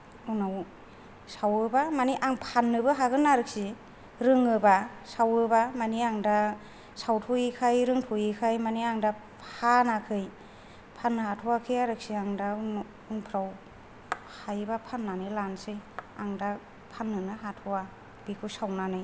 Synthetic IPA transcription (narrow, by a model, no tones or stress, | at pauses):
unaw | sawɯbamaniʔaŋpʰanːɯbɯɦaɡɯnːaɾɯk̚si | ɾɯŋɯbasawɯbamaniaŋda | sawtʰujikʰajɾɯŋtʰɔjikʰajmaniaŋda | hanakʰɯj | pʰanːɯhatʰɔwakʰɯjaɾɯk̚siaŋdan | unpʰɾaw | hajbapʰanːanɯjlansɯjaŋda | pʰanːɯnɯɦatʰɔwa | b̥ikʰusawnanɯj